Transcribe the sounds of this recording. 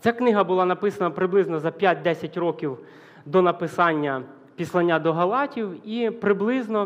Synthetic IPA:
t͡sʲaknɪɦɐbʊlˠɑnɐpɪsɐnɐpɾɪblˠɪznɔzɐpʲjat̚ʲd̪ɛsʲɐtʲrɔkʲiw | d̪ɔnɐpɪsɑnʲːɐ | pʲislˠɐnʲːad̪ɔɦɐlˠɑtʲiwipɾɪblˠɪznɔ

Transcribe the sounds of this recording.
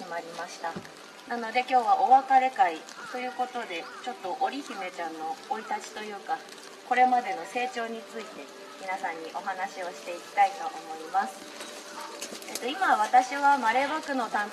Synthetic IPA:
maɾʲimaɕi̥t̪a | nano̞d̪e̞kʲo̞ːβaʔo̞βakaɾe̞kai | t̪o̞jɯ̟ːko̞t̪o̞d̪e̞t͡ɕo̞t̪ːo̞ʔoɾʲiçime̞t͡ɕãnːo̞ːit̪at͡ɕi̥t̪o̞jɯ̟ːka | ko̞ɾe̞mad̪e̞no̞se̞ːt͡ɕo̞ːɲ̟it͡sɨit̪e̞ | mʲinasãɲ̟ːiʔo̞ɦanaɕio̞ɕi̥t̪e̞ikʲi̥t̪ait̪o̞ʔːmo̞imasɨ̥ | et̪o̞imaβ̞at̪aɕiβamaɾe̞bakɯ̟no̞t̪ãn

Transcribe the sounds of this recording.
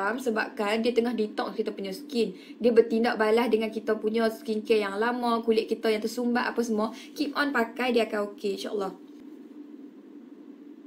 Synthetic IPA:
amsəbap̚kandiat̪əŋahbit̪ɔʔt̪kit̪apuɲɔsə̥kin | diabərt̪indaʔ̚balahdəŋankit̪apuɲɔskinkɛjaŋlamãkulɪʔ̚kit̪ajaŋt̪ərsumbaʔapawsəmuɔkip̚ɔnpakajdiakanokeinʃaʔə̰lːɑh

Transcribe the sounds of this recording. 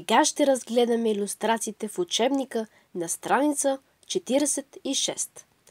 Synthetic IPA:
ɛɡaʃt̪ɛɾɐzɡlɛd̪ɐmɛilʲust̪ɾat̪siːt̪ɛfʊt͡ʃɛbnikə | nɐst̪ɾanit̪sə | t͡ʃɛt̪iɾɛsɛt̪iʃɛst̪

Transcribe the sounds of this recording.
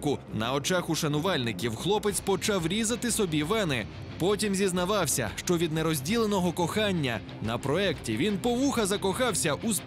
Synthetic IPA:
kʊnɐɔt͡ʃɑxʊʃɐnʊʋɑlʲnɪkʲiwxlˠɔpet̪t͡sʲpɔt͡ʃɑwɾʲizɐt̪ɪsɔbʲiʋɛnɪ | pɔtʲimzʲiznɐʋɑwsʲɐ̰ʃt͡ʃɔʋʲid̪neɾɔzʲdʲilˠenɔɦɔkɔxɑnʲːɐ | nɐpɾɔɛktʲiʋʲinpɔʋuxɐzɐkɔxɑwsʲɐʔus

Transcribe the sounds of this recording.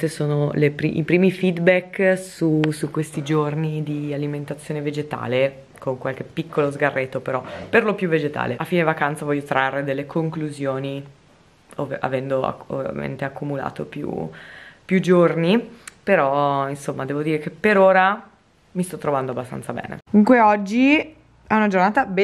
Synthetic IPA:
esoːnolepɾḭʔipɾiːmifid̪bɛkːsusukwest̪id͡ʒornid̪ialiment̪at̪sːjoːneved͡ʒet̪a̰ːle | koŋkwalk̟epːikʰːolozɡarːʔet̪ːopeɾɔperlopjuvːed͡ʒet̪a̰ːleafːiːnevakant̪savɔʎːjːot̪ɾarːed̪elːekʰoŋkluzjoːni | ova̰vɛnd̪oa̰o̰vja̰mḛnt̪eakːumula̰ːt̪opjṵpjud͡ʒornipeɾɔinsomːad̪ɛːvod̪iːɾekepːeɾoːɾa | mist̪ɔt̪ːɾovand̪oabːast̪a̰nsabɛ̰ːnḛkmuŋkweɔd͡ʒːi | ɛunad͡ʒornaːt̪abe

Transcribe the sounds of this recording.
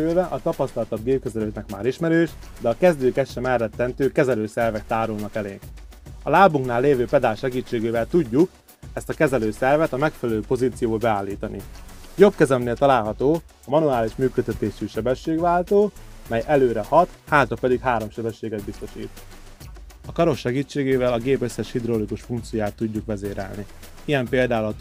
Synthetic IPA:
ylvɛʔɒt̪ɒpɒst̪ɒlt̪ɒbɡeːp̚køzɛløːt̪nɛkma̰ːɾiʃmɛɾøːʃd̪ɛɒkɛzd̪øːkɛʃːɛmɛrːɛt̪ːɛnt̪øːkɛzɛløːsɛrvɛkt̪aːɾulnɒkɛlḛːŋk | ɒlaːbuŋknaːlːeːvøːpɛd̪aːlʃɛɡiːt͡ʃːeːɡeːvɛlt̪uɟːuk | ɛst̪ɒkɛzɛløːsɛrvɛt̪ɒmɛkfɛlɛløːpo̞ziːt̪sijoːlbɛaːlːiːt̪ɒnʔḭjo̞bkɛzɛmneːlt̪ɒlaːlɦɒt̪oːɒmɒnuaːliʃmyːkøt̪ːɛt̪eːʃyʃɛbɛʃːeːɡʋaːlt̪oːmɛjʔɛløːɾɛhɒt̪haːt̪rɒpɛd̪ikhaːɾo̞mʃɛbɛʃːeːɡɛd̪bist̪o̞ʃḭːt̪ | ɒkɒɾo̞kʃɛɡiːt͡ʃːeːɡeːvɛlɒɡeːpø̞sːɛʃhid̪ɾolikuʃfuŋkt̪siojaːt̪ːuɟːukʋɛzeːɾɛ̰lni | ijɛmpeːld̪aːlɒt̪

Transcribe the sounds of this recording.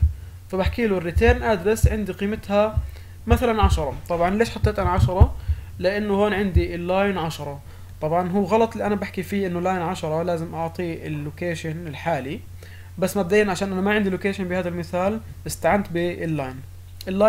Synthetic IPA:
fabaħkiːlurːit̪eːnʔad̪ɾɪsʕɪnd̪iqiːmɪt̪ha | maθalanʕaʃɑɾˤɑt̪ˤɑbʕɑnleːʃħɑt̪ˤːeːt̪ʔanʕaʃɑɾˤɑ | lɪʔanːʊhoːnʕɪnd̪ilːaːjnʕaʃɑɾˤɑ | t̪ˤɑbʕɑnɦuːɣɑlɑt̪ˤliʔanabaħkifiːʔɪnːʊlːaːjnʕaʃɑɾˤɑlaːzɪmʔɑʕt̪ˤiːɪlːʊkeːʃanɪlħaːli | basːmab̚d̪aːjːnʕaʃaːnʔanamaʕɪnd̪ilʊkeːʃanbɪhaːðalmɪθaːlʔɪst̪aʕant̪bɪɪlːaːjn | ʔɪlːa

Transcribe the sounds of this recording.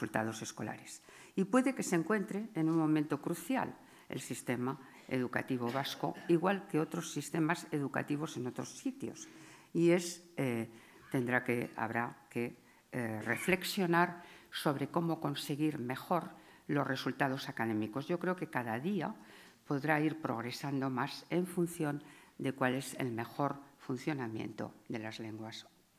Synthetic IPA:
ult̪a̰ðo̞se̞sko̞la̰ɾes | ipwe̞ðe̞ke̞seŋkwe̞nt̪ɾe̞ːnummõ̞mẽnt̪o̞kɾuθja̰l | e̞̰lsist̪e̞ma | ḛðuka̰t̪iβo̞βasko̞̰iɣwalke̞o̞t̪ɾo̞sːist̪e̞mase̞ðuka̰t̪iβ̞o̞se̞no̞t̪ɾo̞sːit̪jo̞̰sie̞se | t̪e̞nd̪ɾakea̰βɾake̞ | re̞̰fle̞ksjo̞naɾso̞β̞ɾe̞ko̞mo̞ko̞nse̞ɣiɾme̞xo̞ɾ | lo̞zsre̞sult̪að̞o̞sakaðe̞miko̞zʝo̞kɾe̞oke̞kaðaðia | po̞ðɾaiɾpɾo̞̰ɣɾe̞sand̪o̞mase̞ɱfunθjo̞nd̪e̞kwale̞sḛlme̞xo̞ɾfunθjonamjḛnt̪o̞̰d̪e̞lazle̞ŋɡwas

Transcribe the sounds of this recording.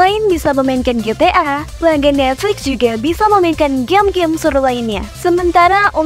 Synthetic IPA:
aɪnbisaməmaɪnkanɡet̪eʔapəlaɡanɛt̪̚flɪksd͡ʒuɡabisaməmainkanɡɛmɡɪmsuɾulainɲa̰səmənt̪aɾaʔu

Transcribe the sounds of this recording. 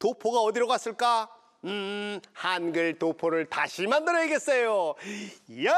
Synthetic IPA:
topʰoɡaʌdiɾoɣas͈ɯɭk͈a | ɯhanɡɯɭtopʰoɾɯɭtaɕʰimandɯɾʌiɡes͈ejo | ja

